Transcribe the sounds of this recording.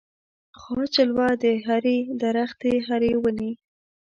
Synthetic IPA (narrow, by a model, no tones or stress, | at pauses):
xwɑt͡ʃəlwɑd̪əɦaɾed̪aɾaxt̪eɦaɾewəni